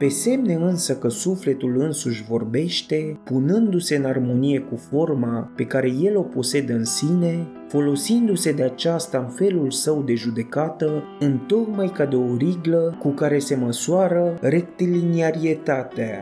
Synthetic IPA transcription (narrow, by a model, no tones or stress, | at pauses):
pe̞se̞mne̞ɨnsəkəsufle̞t̪ulɨnsuʃʲvo̞rbe̞ʃt̪e̞punɨnd̪use̞ɨnarmo̞nije̞kufo̞rmape̞kaɾe̞je̞lo̞po̞se̞d̪əɨnsine̞ | fo̞lo̞sind̪use̞d̪e̞at͡ʃast̪aɨnfe̞lulsəwd̪e̞ʒud̪e̞kat̪ə | ɨnt̪o̞k̚majkad̪eo̞ɾiɡləkukaɾe̞se̞məsuaɾəre̞k̚t̪ilineaɾie̞t̪at̪ea